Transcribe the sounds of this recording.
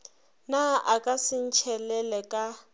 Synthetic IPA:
naʔakʼasɪn̩t͡ʃʰɛlɛlɛkʼa

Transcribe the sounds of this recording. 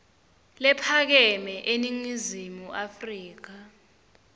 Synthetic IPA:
lɛpʰak̬ɛmɛʔeniŋizimuʔafriːk̬a

